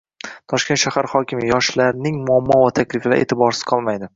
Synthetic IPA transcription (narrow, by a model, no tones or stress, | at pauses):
t̪ʰɒʃkʲe̞nʃahaɾχɒkʲʰɪmɪjɒʃlaɾnɪŋmʊamːɒvat̪ʰakʲlɪflaɾʔe̞̰t̪ʰɪbɒɾsɪ̥z̥qʰɒlˠmajd̪ɪ